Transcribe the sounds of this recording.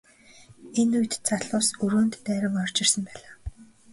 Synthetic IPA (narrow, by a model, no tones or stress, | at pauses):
enujt̪t͡saɮʊːsɵɾoːnt̪ːæːɾə̆ŋɔr̥t͡ɕɪ̆rsə̆mpæːɮaː